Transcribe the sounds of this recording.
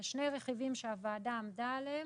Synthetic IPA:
ʃnejʁeχivimʃeavaːdamdale

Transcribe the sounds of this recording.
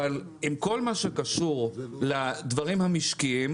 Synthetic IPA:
al | imko̞lmaʃekaʃuʁlad̪vɐʁimhamiʃkiim

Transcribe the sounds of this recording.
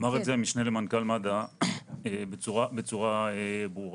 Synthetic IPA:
maʁetzeamiʃnelemankalmad̪a | ebet͡suʁabe̞t͡suʁaebʁuʁ

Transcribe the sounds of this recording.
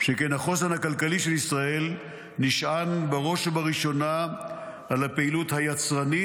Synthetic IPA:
ʃekenaχo̞senhakalkaliʃelisʁae̞l | niʃʔanbeʁo̞ʃbaʁiʃo̞naː | lhapeiluthajat͡sʁani

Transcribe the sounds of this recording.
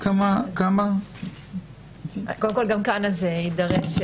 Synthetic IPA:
kʰamakama | kodemkolɡamkanazeidɐʁeʃ

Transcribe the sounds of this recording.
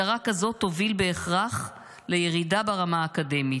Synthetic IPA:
aʁakazo̞tːo̞vilbe̞ːχʁaχ | lejeʁidabeʁamaːkade̞mi

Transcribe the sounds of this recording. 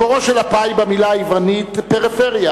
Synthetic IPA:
oʁaʃelapajbamilaaivanit̪peʁifeʁja

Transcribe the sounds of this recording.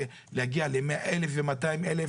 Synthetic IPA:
e | lehaɡialemeaʔelefvemat̪aimele

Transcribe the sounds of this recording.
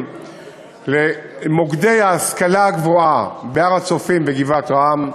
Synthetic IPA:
lemo̞ɡd̪e̞jaːskalaaɡvoabeaʁat͡sofimbeɡivatʁaam

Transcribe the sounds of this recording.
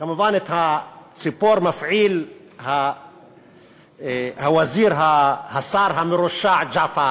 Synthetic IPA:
kamavaːnɪt̪hasipoːɾˤmafʕiːl | ha | hawaziːɾɦahasɑːɾˤɦamɪɾʊʃaːʕd͡ʒafa

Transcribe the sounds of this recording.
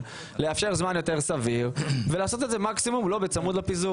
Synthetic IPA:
leafʃe̞ʁzmanjo̞t̪e̞ʁsaviʁve̞laːso̞t̪eze̞maksimumlo̞be̞t͡samud̪lapizu

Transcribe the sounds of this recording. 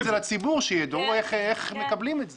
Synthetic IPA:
zelat͡sibuʁʃejed̪ueχeχme̞kablimetze

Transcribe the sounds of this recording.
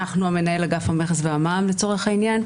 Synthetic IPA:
aχnuame̞nae̞laɡafhameχesveamaːmle̞t͡so̞ʁ̞e̞χhainjan

